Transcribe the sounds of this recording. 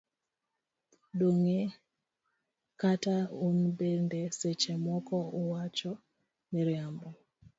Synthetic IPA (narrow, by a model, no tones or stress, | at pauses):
doŋe | kataunbendeset͡ʃemɔkɔuwat͡ʃɔ | miɾjambɔ